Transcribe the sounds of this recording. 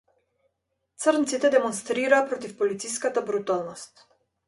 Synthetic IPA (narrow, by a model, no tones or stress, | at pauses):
t̪səɾnt̪sit̪ɛd̪emonst̪ɾiɾapɾot̪ifpolit̪sijskat̪əbɾut̪alˠnost̪